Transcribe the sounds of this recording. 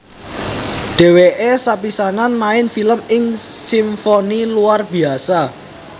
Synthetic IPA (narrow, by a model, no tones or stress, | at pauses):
ɖ̥e̤weʔesapisananmaɪnfiləmɪŋsimfoniluarb̥i̤asa